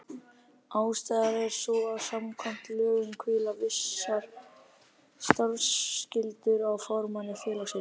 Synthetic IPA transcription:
aːwst̪aːjðaɾɛɾ̥sɔasamkʰɔm̥t̪lœːɣʏŋkʰvɪːlavɪsːaɾ̥ | st̪aɾscɪlt̪ʏɾawfawɾmanɪfɛːlasɪ

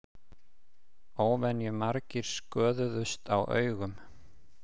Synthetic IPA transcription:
oːwvɛnːjʏmaɾcɪɾ̥skœːðʏðʏst̪awʔœ̰ːɥɣʏm

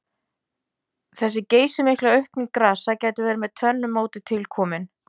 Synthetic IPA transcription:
θɛsːɪceːjsɪmɪhklaœɥhpniŋkɾaːsacaːjt̪ɪvɛːɾɪmɛðt̪ʰvœnːʏmːoːwt̪ɪt̪ʰɪlkʰɔːmɪn

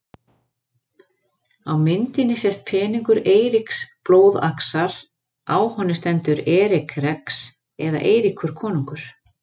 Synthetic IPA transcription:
awmɪnt̪ɪnːɪsjɛst̪̚pʰɛːniŋkʏɾeːjɾɪksploːwða̰ksaɾ̥ | aːwhɔnːʏst̪ɛnt̪ʏɾɛːɾɪkʰrɛks | ɛða̰ʔeːjɾikʰʏɾ̥kʰɔːnuŋkʏɾ̥

